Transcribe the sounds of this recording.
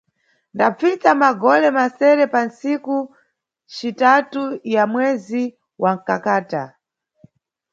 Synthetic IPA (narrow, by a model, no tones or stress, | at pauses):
ndap͡fit͡samaɡɔlɛmasɛɾɛpansiku | t͡ʃitatujamwɛzi | wʔaŋ̩kakaːta